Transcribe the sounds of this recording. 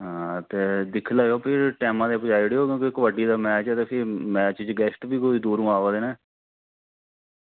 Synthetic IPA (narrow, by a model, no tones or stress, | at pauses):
ɦãːt̪eːd̪ɪkʰləːɡoːpʰɪɾʈɛːmãːd̪eːpəd͡ʒaːiɽeːɦoːkjõːkikəʋəɖiːd̪aːmɛːt͡ʃt̪eːpʰɪɾmɛːt͡ʃt͡ʃɡɛːsʈbiːkoːiːd̪uːɾũːaːʋaːd̪eːnɛː